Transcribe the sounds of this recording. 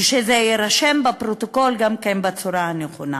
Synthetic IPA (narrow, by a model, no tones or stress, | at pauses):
ʃezejeɾaʃembapɾot̪oko̞lɡamkenbat͡suɾaaneχona